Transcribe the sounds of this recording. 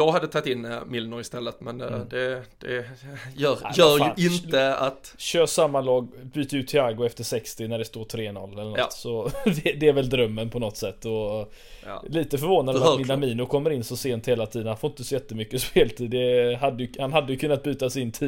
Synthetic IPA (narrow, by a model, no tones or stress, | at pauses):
jɑːɡɦad̪ːət̪ʰɑt̪ːɪnːmɪlnɔɪst̪ɛlːət̪mɛnd̪ɛd̪̥ɛjœːɾjœːɾjʔɪnt̪əat̪ɕøːʂamːalɑːɡbyːt̪əjʉ̟ːt̪ʰːɪaɡʊɛft̪əʂɛkst̪ɪnæɖɛst̪oːʈ̪ʰɾeːnɔ̰lːɛlːəɳt̪ːsɔd̪ɛd̪ɛæɾvɛld̪ɾœmːənpʰɔnɔt̪ːsɛt̪ːɔ | liːt̪əfœɾvoːnad̪amɪamiːnʊkʰɔmːəɾɪnːsɔseːnt̪heːlat̪ʰiːd̪ənhanfoːɪnt̪əsɔjɛt̪ːəmʏkːəspeːlt̪ʰiːd̪d̪ɛɦad̪ːəjhanɦad̪ːəjɵkʰɵnːat̪̚byːt̪asɪnt̪ʰiː